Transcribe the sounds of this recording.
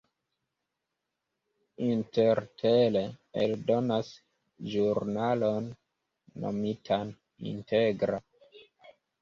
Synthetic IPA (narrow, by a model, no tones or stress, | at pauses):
inteɾtʰeleḛldo̞nas | ʒuɾnalo̞nː | o̰mitʰan | ḭnteɡɾa